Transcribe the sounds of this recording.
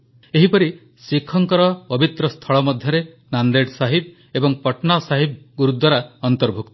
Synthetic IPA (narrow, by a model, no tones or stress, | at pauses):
eɦipɔɾi | sikʰːɔŋkɔɾɔpɔbit̪ɾɔst̪ʰɔɭɔmɔd̪ʱjɔɾe | nand̪eɖsaɦib̚ | ebɔŋpɔʈnasaɦib̚ɡuɾud̪waɾaɔnt̪ɔɾbʱukt̪ɔ̥